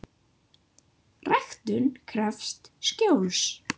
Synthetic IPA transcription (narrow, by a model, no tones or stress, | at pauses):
rɛxt̪ʏnkʰɾɛfst̪scowls